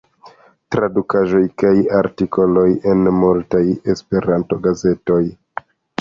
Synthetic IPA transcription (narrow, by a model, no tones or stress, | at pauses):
tɾadukaʒo̞jkajaɾtiko̞lo̞je̞nmultaje̞spe̞ɾanto̞ɡaze̞to̞j